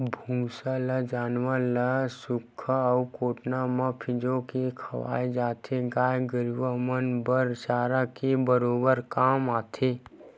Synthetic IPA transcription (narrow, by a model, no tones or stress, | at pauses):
bʱũːsaləd͡ʒaːnʋaləsʊkʰːukoːʈnamãpʰɪd͡ʒõkekʰɐʋa̰ːed͡ʒaːt̪ʰeɡaːjɡəɾʋəmənbəɾʃaːɾakebəɾoːbəɾkaːmaːt̪ʰeː